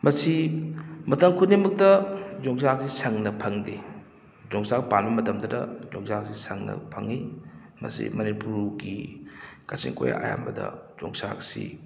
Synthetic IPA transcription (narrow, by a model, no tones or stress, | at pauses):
mɐsimɐtɐmkʰunimɐk̚tɐzɔŋs̬ak̚sisɐŋnɐpʰɐŋde | zɔŋsak̚panbɐmɐtɐmdɐdɐ̰zoŋsak̚sisɐŋnɐ̰pʰɐŋi | mɐ̰sḭmɐnipuɾɡi | kasiŋkoja̰ʔa̰ja̰mbɐdɐzɔŋsaksḭ